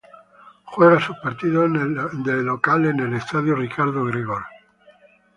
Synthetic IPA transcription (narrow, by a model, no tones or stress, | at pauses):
xweɣasupaɾt̪iðod̪elːokalenelest̪aðjorikaɾðoɣɾiɣol